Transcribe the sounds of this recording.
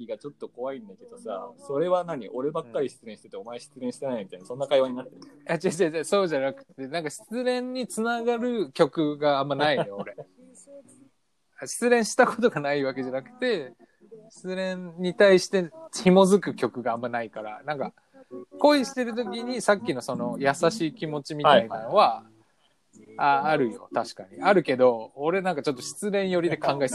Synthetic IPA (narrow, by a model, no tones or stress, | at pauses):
kʲiɡat͡ɕo̞t̪ːo̞ko̞βaĩnd̪ake̞d̪o̞sa̰so̞ɾe̞βanaɲ̟iʔo̞ɾe̞bakkːaɾʲiɕi̥t͡sɨɾẽɕit̪et̪ːeo̞maeɕi̥t͡sɨɾẽ̞ɕi̥t̪enaimʲit̪ajnaso̞nːakaiβaɲ̟inat̪ːejad͡ʑad͡ʑad͡ʑaso̞ːʑanakɯ̟̥t̪ːe̞nãŋkaɕi̥t͡sɨɾẽ̞ɲ̟ːit͡sɨnaɡaɾɯ̟kʲo̞kɯ̟ɡaːmːanaineoɾe̞ | aɕi̥t͡sɨɾẽ̞ɰ̃ɕi̥t̪ako̞t̪̬o̞ɡanaiβake̞ʑanakɯ̥t̪e̞ | ɕi̥t͡sɨɾẽ̞ɲɲːit̪aiɕi̥t̪e̞imo̞zɨkɯ̟kʲo̞kɯ̟ɡaːmːanaikaɾa̰nãŋka | ko̞iɕi̥t̪e̞ɾɯ̟t̪̬o̞kʲiɲ̟isakʲːino̞so̞no̞jasaɕiːkʲimo̞t͡ɕimʲit̪ainano̞βa | aːɾɯ̟jo̞̰t̪aɕi̥kaɲ̟iaɾɯ̟ke̞d̪o̞ːɾe̞nãŋkat͡ɕo̞t̪ːo̞ɕi̥t͡sɨɾẽ̞ɰ̃jo̞ɾʲid̪e̞kʰãŋɡaes